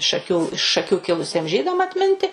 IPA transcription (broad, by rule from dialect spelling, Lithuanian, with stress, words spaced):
ʃɐˈkʲuː ɪʃ ʃɐˈkʲuː ˈkʲɪlˠʊsʲiɛm ˈʒʲiːdɐm ɐtʲˈmʲɪnʲtʲɪ